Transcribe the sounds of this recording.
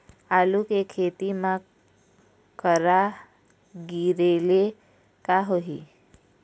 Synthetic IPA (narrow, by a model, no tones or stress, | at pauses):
aːlukekʰeːt̪imã | kəɾa | ɡiɾele | kaɦoɦi